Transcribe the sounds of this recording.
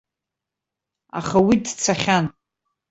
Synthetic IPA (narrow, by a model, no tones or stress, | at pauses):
a̰χawidt͡sʰaχʲan